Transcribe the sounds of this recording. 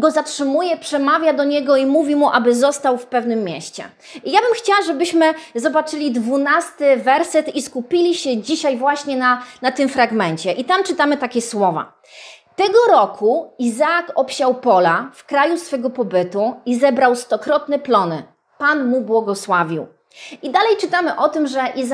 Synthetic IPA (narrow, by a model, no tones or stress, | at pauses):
ɡɔzatʂɘmujɛpʂɛmavʲjad̪ɔɲɛɡɔimuvʲimuʔabɘzɔst̪awfpɛvnɘmːʲjɛɕt͡ɕɛ̰ | jabɘmxt͡ɕawaʐɛbɘɕmɘzɔbat͡ʂɘlʲid̪vunast̪ɘvɛɾsɛt̪iskupʲilʲiɕɛd͡ʑiɕajvwaɕɲɛnanat̪ɘmfɾaɡmɛnt͡ɕɛʔit̪amt͡ʂɘt̪amɘt̪akʲɛswɔva̰ | t̪ɛɡɔɾɔkʰuizaːkɔpɕawpɔlafkɾajusfɛɡɔpɔbɘt̪uizɛbɾawst̪ɔkɾɔt̪nɛplɔnɘ | panmubwɔɡɔswavʲiw | id̪alɛjt͡ʂɘt̪amɘʔɔt̪ɘmʐɛʔiz